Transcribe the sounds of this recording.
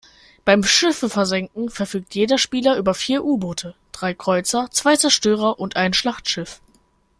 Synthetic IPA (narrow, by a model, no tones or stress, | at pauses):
b̥aɪmʃɪfəfɛɐzɛŋkŋ̩fɛɐfyːk̚tʰjeːdɐʃpiːlɐʔyːbɐfiːɐʔuːboːtʰəd̥ʁaɪkʁ̥ɔʏt͡sɐt͡sv̥aɪt͡sɛɐʃtøːʁ̞ɐʔʊntʔaɪnʃlaχtʃɪf